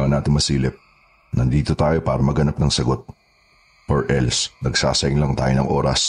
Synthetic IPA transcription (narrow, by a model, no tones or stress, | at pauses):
ŋɐnaːt̪ɪŋmɐsiːlɪp̚ | nʔɐnd̪iːt̪ot̪aːjo̞paːɾɐmɐɡɐnap̚nɐŋsɐɡo̞t̪̚ | ʔoɹʔɛlsnɐɡsa̰ːsɐʔɪŋlɐŋt̪a̰ːjonɐŋʔo̞ːɾɐ̰s